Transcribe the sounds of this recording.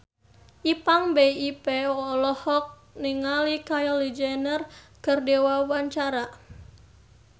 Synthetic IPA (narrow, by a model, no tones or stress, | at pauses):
ʔipaŋbeipeɔlɔhɔk̚ | niŋalikajɔlid͡ʒɛnər | kərdewawaɲt͡ʃaɾa